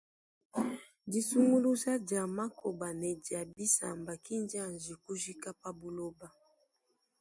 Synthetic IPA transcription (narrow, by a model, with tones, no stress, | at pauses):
di˨su˦ŋɡu˦lu˦za˦d͡ʒa˨ma˦ko˨ba˨nɛ˨dja˨bi˦sa̰˨mba˨ki˦nd͡ʒa˦˨nd͡ʒi˨ku˦ʒi˦ka˦pa˦bu˨lo˦ba˦